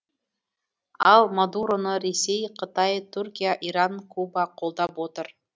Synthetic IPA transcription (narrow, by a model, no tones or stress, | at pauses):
ɑlˠmad̪uɾonoɾesʲejqʰə̆t̪ɑjt̪ʰurʲkʲijaʔiɾɑŋkʰubaqʰolˠd̪ɑpot̪ɤɾ